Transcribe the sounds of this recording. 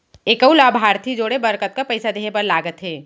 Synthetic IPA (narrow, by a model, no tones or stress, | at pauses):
ekəulaːbʱaːɾt̪ʰid͡ʒoːɽebɐɾkət̪̚kapɐɪsad̪eːɦepɐɾlaːɡət̪ɦeː